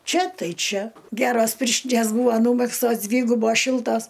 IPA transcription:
ˈt͡ʃʲɛ ˈtɐɪ ˈt͡ʃʲɛ ˈɡʲæːroːs ˈpʲɪrʲʃʲtʲɪnʲeːs ˈbuːʋɐ ˈnuːmʲɛkstoːs ˈdʲʋʲiːɡʊboːs ˈʃʲɪlˠtoːs

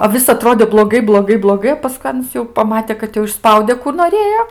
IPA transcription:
oː ˈʋʲɪs ɐˈtroːdʲeː blˠoːˈɡɐɪ blˠoːˈɡɐɪ blˠoːˈɡɐɪ oː pɐˈskʊɪ ˈɑːnɐs jɛʊ pɐˈmɑːtʲɛ kɐt ˈjɛʊ ɪʃˈspɐʊdʲɛ kuː noːˈrʲeːjoː

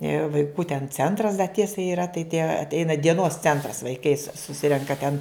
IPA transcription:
ɪr ʋɐɪˈkuː tʲɛn ˈt͡sʲɛntrɐs dɐ ˈtʲiɛsɐ iːˈrɐ tɐɪ tʲiɛ ɐtʲˈɛɪnɐ dʲiɛˈnoːs ˈt͡sʲɛntrɐs ʋɐɪˈkɐɪ sʊsʲɪ sʊˈsʲɪrʲɛŋkɐ ˈtʲɛn

